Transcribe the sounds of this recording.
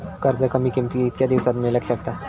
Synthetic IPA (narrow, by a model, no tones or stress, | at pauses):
kəɾd͡zəkəmiːkimt̪iːt̪jad̪iʋsat̪meləkɕəkt̪a